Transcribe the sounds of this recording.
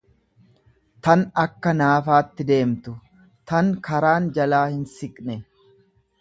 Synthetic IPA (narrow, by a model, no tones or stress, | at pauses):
t̪ɐnɐkːɐnaːfaːt̪ːɪd̪e̞ːmt̪ʊ | t̪ɐŋkɐɾaːnd͡ʒɐlaːhɪnsɪkʼnɛ